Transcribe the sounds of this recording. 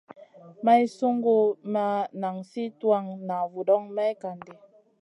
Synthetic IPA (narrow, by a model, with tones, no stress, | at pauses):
ma˦i˦so˦ŋɡo˦ma˦na˨ŋsi˦twa˦ŋna˨vu˨dɔ˦ŋma˦i˦ka˨nde˨